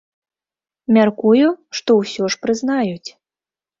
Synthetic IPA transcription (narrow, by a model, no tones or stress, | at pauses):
mʲarkujuʂt̪ɔwsʲɔʂpɾɨzn̪ajut͡sʲ